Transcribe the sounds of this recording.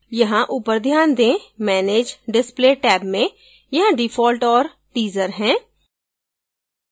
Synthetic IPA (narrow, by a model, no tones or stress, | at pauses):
jɐɦãʔuːpəɾd̪ʱjaːnd̪ẽmɛːneːd͡ʒɖɪspleːʈɛːbmẽ | jɐɦãɖɪfʰɔːlʈɔːɾ | ʈiːzəɾɦɛ̃ː